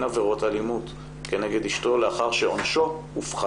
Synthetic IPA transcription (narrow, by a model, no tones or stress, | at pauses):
naveʁo̞talimut | ke̞ne̞ɡe̞diʃto̞leaχaʁʃe̞onʃo̞ | ufχ